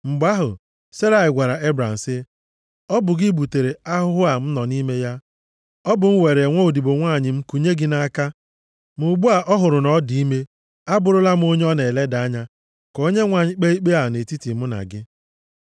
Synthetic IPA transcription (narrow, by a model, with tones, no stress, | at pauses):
m̩˨ɡ͡ba˦ɦʊ˨ | se˦ɾa˨ɪ˨ɡʷa˨ɾa˨e˦bɾa̰˨n̩˨sɪ˦ | ɔ˦bʊ˨ɡɪ˦bu˨te˨ɾe˨a˦ɦʊ˦ɦʊ˦a˨m̩˦nɔ˨ni˦me˦ja˦ | ɔ˦bʊ˨m̩˦we˨ɾe˨ŋʷo˦o˨di˨bo˨ŋʷaː˦˨ɲɪ˨m̩˦ku˨ɲe˦ɡɪ˦na˦ka˦ | mʊ˨ɡ͡bu˦a˨ʔɔ˦ɦʊ˨ɾʊ˨nɔ˦di˨i˦me˦ | a˦bʊ˨ɾʊ˦la˦m˦o˦ɲe˦ɔ˦ne˨le˦da˦ɲa˦ | ko˦ɲe˦ŋʷa˦˨ɲɪ˦k͡pe˦i˦k͡pe˦a˨ne˨ti˦ti˨mʊ˦na̰˨ɡɪ˦